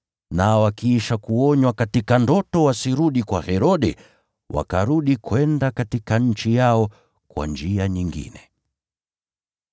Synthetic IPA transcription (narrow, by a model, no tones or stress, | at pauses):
nawakiiʃakuɔɲwakatikandɔtɔwasiɾuɗikwahɛɾɔɗɛ | wʔa̰kaɾuɗikwɛndakatikaɲ̩t͡ʃijaɔ | kwa̰nd͡ʒiaɲiŋɡḭnɛ